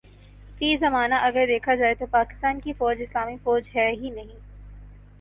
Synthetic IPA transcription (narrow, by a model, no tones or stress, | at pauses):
fiːzɐmaːnaʔɐɡəɾd̪eːkʰad͡ʒaːet̪opaːkɪ̥st̪aːnkifɔːd͡ʒɪslaːmifɔːd͡ʒɦɛɦinɐɦĩː